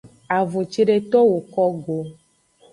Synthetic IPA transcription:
a˨vo˨t͡ʃi˦ɖe˦t̪ɔ˦wo˨kɔ˦ɡo˨

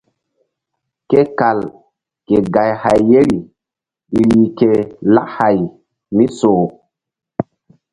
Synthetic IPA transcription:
ke˦ka˨l | ke˨ɡa˨jha˨jːe˦ɾi˨ | ɗi˨ɾi˨ke˨la̰˦kha˨j | mi˦soː˨

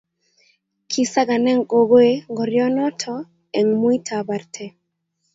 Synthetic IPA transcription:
kʰi˨sa˦ɡa˨nɛ˦ŋko˨ɡo˦e˦ŋɡɔ˨ɾjɔ˦nɔ˦tʰɔ˦ | ɛ˨ŋmwi˦tʰaba˨rtʰɛ˨

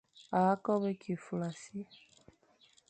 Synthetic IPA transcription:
a˨a˦kɔ˦βɛ˦ki˨fu˨la˨si˦

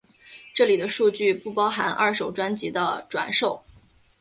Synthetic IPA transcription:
ʈ͡ʂɤ˥˩li˨˩d̪ə˦ʂu˥˧t͡ɕy˥˧pu˥˩pɑ˥ʊxa̰˧˥na̰˥˩ʂo˨˩ʊʈ͡ʂwa˥nt͡ɕi˧˥d̪ə˧ʈ͡ʂwa̰˨˩nʂo˥˩ʊ

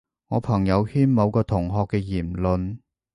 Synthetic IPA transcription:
ŋɔː˨˧pʰɐ˨˩ŋjɐ˨˧whiː˥nmɐ˨˧wkɔː˧t̪ʰʊ˨˩ŋɦɔː˧kːɛː˧jiː˨˩mlɵ˨˧n

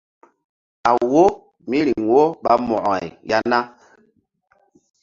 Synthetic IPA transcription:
a˨wo˦ | mi˦ɾi˨ŋ˨wo˦ɓa˦mɔ˨ʔɔ˨i˨ja˦na˦

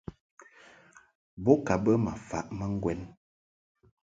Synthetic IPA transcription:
bɔ˦ka˨bə˦ma˨fa˨ʔma˦ŋ̩˦ɡwɛ˦n

